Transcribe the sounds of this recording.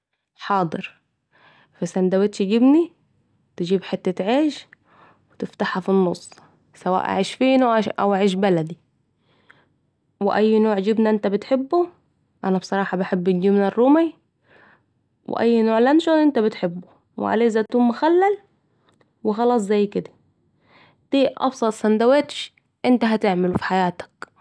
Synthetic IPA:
ħɑːd̪ˤɨɾ | fæsænd̪æwet̪ʃɡibni | t̪ed͡ʒiːbħet̪ːæt̪ʕeiːʃ | wet̪ɪft̪aħhæfinːosˤː | sæwæ̰ːʔa̰ʕiːʃfiːnoʔæ̰wʔaʕiːʃ̬bælæd̪i | wḛʔæjːnoːʕd͡ʒibnæʔɪnt̪æbɪt̪ħebːo | ʔænæbsˤɑɾˤɑːħɑbaħebːɪd͡ʒiːmnærːuːmij | wɪ̰ʔæ̰jːnoːʕlænʃoːnʔɪnt̪æbɪt̪ħɪbːʊ | wɪ̰ʕa̰leːʔzæʔt̪uːmmːʊxælːæl | wɪxɑlɑːsˤzæjːkɪd̪æ̥ | t̪iːʔʔɑ̰bsˤɑt̪ˤsænd̪æweːt̪ʃ | ʔɪnt̪æɦæt̪ɪʕmɪlufi̥ħajaːt̪ḁk̚

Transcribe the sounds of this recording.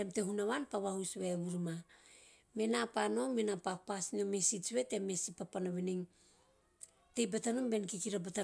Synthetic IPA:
emteɦunaβanpaβahusβeβuɾma | me̞napano̞menapak̚pasnomesit͡ʃβe̞te̞mesipapanaβiniŋ | te̞jbatanombe̞nkikiɾabata

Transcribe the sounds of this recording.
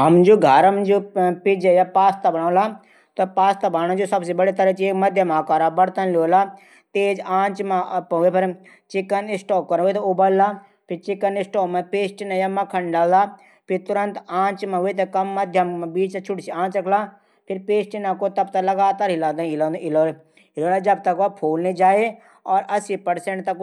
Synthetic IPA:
ɦɐmd͡ʒoːɡʱəɾɐmd͡ʒopɪd͡ʒejapaːst̪abɐɽ̃ãːla | t̪ɐpaːst̪abaːnãd͡ʒosɐbsebɐɽet̪ɐɾət͡ʃieːkmɐd̪ʱjəmaːkaːɾabɐɽt̪ənljoːla | t̪eːd͡ʒãːt͡ʃmãpɐepʰɪɾ | t͡ʃɪkːənɪsʈɔːkːɐɾɦuet̪ɐobɐlla | pʰɪɾt͡ʃɪkːənɪsʈɔːmãpeːsʈɪnãjamːãkʰɐɳɖɖaːld̪aː | pʰɪɾt̪ʊɾə̃nt̪ãːt͡ʃmãɦʊet̪̬ekɐmːəd̪ʱjəmbiːt͡ʃt̪t͡ʃʰʊʈsiãːt͡ʃɾəkʰlaː | pʰɪɾpeːsʈɪnãkot̪ɐb̚t̪alɐɡaːt̪aɾɦɪlãːd̪aɦɪlõnd̪ɪloːl | ɦɪloːlaːd͡ʒɐbt̪ɐkʋapʰoːlned͡ʒaːeː | ɔːɾɐsipəɽseɳʈt̪ɐk

